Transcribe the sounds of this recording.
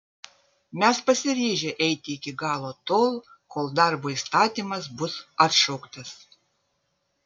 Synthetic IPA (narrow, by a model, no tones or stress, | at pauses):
mʲɛspɐsʲɪɾʲiːʒʲeʔɛɪt̪ʲɪɪkʲɪɡɑːlˠoːt̪oːlˠ | koːlˠd̪ɑɾboːist̪ɑːt̪ʲiːmɐsbʊsɐt̪ʃɔʊkt̪ɐs